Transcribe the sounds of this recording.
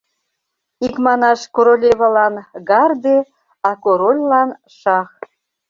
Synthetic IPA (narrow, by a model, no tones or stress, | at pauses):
ikmɑnɑʃkoɾolʲeβɑlɑnɡɑrd̪e | ɑkoɾolʲlɑn | ʃɑx